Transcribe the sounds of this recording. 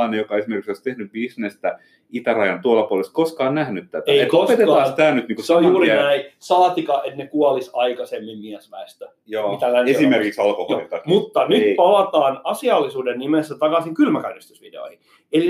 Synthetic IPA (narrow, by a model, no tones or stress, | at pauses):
ɑnejokɑesimerkiksoisʲt̪ehnybbisnest̪æ | it̪ærɑjɑnt̪uolːɑpuoleskoskɑːnnæhnyt̪t̪æt̪æeiet̪oset̪eɑsst̪æːnyt̪niːŋkuseojjuːɾinæisɑlɑt̪ikɑʔet̪nekuɑlisɑikɑsemːimmiæsʋæest̪æ | joːit̪ælːænesimerkiksɑlkoholḭnt̪ɑmut̪ːɑnyt̪pɑlɑt̪ɑːnɑsiɑlːisuːdennimesːæt̪ɑkɑsiŋkylmækɑrist̪usʋidḛo̰ihi | eli